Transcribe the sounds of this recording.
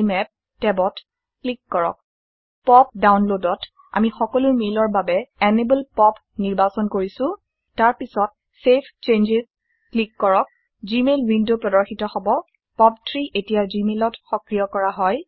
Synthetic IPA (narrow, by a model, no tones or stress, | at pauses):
mɛp̚ | tɛbɔt | klikːɔɹɔ̰k̚ | pɔpdawnlodɔt | a̰mixɔkɔlʊmelɔɹbabɛɛnebulpɔp | niɹbasɔnkoɹisʊ̃ | taɹpisɔt̚ | sepʰt͡ʃend͡ʒiɹ | klikːɔɹɔk̚ | zimelwindopɹɔdɔɹxitɔxɔbɔ | pɔp̚tʰɹiʔetijazimelɔtxɔkɹijɔkɔɹaɦɔj